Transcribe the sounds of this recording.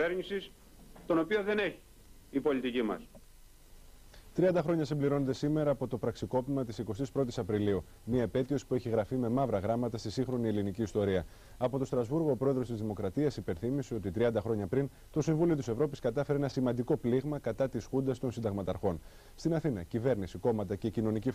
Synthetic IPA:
eɾɲisis | t̪o̞no̞pio̞ðe̞ne̞çi̥ | ipo̞lit̪icimɐ̰s | t̪ɾiɐnd̪ɐxɾo̞ɲɐsimbliɾo̞ne̞t̪esime̞ɾɐːpo̞t̪o̞pɾɐksiko̞pimɐt̪isiko̞st̪ispɾo̞t̪isɐpɾiliu | miɐepe̞t̪iosi̥pue̞çiɣɾɐfime̞mɐvɾɐɣɾɐmɐt̪ɐst̪isiŋxɾo̞nie̞liniciːst̪o̞ɾiɐ | ɐpo̞t̪o̞st̪ɾɐzvuɾɣo̞ːpɾo̞e̞ðɾost̪izðimo̞kɾɐt̪iɐsipe̞nθimise̞ot̪it̪ɾiɐnd̪ɐxɾo̞ɲɐpɾin | t̪o̞siɱvulio̞t̪ise̞vɾo̞piskɐt̪ɐfeɾeenɐsimɐ̃nd̪iko̞pliɣmɐkɐt̪ɐt̪isxund̪ɐst̪o̞nsind̪ɐɣmɐt̪ɐɾxo̞n | st̪inɐθinɐcive̞ɾnisiko̞mɐt̪ɐce̞cino̞nici

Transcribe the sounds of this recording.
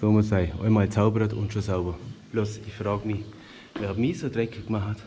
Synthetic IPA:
soːmʊsaɪʔɔ̰ɪmaːlt͡saʊbɾətʊ̰ntʃosaʊbɐb̥losɪçfʁaːɡmi | ʋɛːhabmiːsoːdʁɛkʰəkmaht

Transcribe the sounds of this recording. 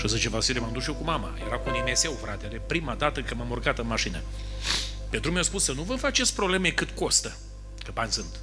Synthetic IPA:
ʃəzɨt͡ʃevasilemamd̪uʃjewkumama̰jeɾakuunemese̞wfɾat̪ed̪epɾimad̪at̪əkəmamurɡat̪ɨnmaʃinə | pet̪ɾumʲjawspusːənuvɨmfat͡ʃetsʲpɾoble̞mekɨt̪ko̞st̪ə | kəbanʲsɨnt̪

